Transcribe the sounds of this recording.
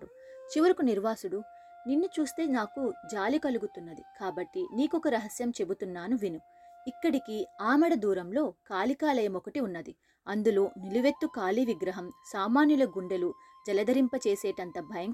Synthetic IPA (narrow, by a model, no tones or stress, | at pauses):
u | t͡ʃiʋɐɾikuniɾʋaːsuɽu | ninːut͡ʃuːst̪e̞ːnaːkud͡ʒaːlikɐluɡut̪unːɐd̪ḭkaːbɐʈːiniːkɔkɐɾɐɦɐsjɐmt͡ʃe̞but̪unːaːnuʋinu | ikːɐɽikiaːmɐɽɐd̪uːɾɐmlo̞ːkaːlikaːlɐjɐmɔkɐʈiunːɐd̪i | ɐnd̪uloːniluʋe̞t̪ːukaːliʋiɡɾɐɦɐmsaːmaːnjulɐɡuɳɖɐlu | d͡ʒɐlɐd̪ɐɾimpɐt͡ʃeːseːʈɐnt̪ɐbʱɐjɐŋ